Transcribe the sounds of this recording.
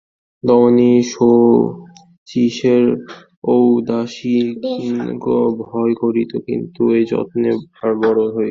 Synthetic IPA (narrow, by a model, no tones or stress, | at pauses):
d̪ɔmoniʃo | t͡ɕiʃeɾ | owd̪aʃi | kobʱɔekoɾit̪okḭnt̪ued͡ʑɔ̰t̪neaɾbɔɾoɦoe